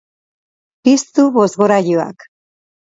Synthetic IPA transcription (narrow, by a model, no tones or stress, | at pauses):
pist̪uβo̞zɣoɾaʎua̰k